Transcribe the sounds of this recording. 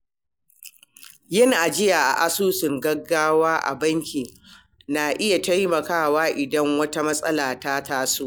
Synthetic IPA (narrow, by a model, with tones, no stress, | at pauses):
jɪ˦n˨ʔa˨d͡ʒɪ˦ja˨ʔa̰˨ʔa˦suː˦sɪ˨ŋɡɐ˦ɡːaː˦waː˦ʔa̰˨bɐ˦ŋkʲiː˨ | naː˨ʔɪ˦ja˨tɐ˦jmɐ˨kaː˦˨waː˦ʔɪ˨dɐ˦ŋwɐ˦ta˦mɐ˦sʼɐ˦laː˨taː˦taː˦su˦ʔ